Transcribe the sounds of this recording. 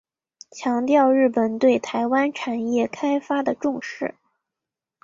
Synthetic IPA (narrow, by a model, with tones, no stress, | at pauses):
t͡ɕʰjɑ˧˥ŋt̪jɑ˥˧ʊɻɻ̩˥˩pə˨˩nt̪we˥˩ɪt̪ʰa˧˥ɪwa˥nʈ͡ʂʰa˨˩njɛ˥˩kʰa˥ɪfa˥d̪ə˨ʈ͡ʂʊ˥˧ŋʂɻ̩˥˩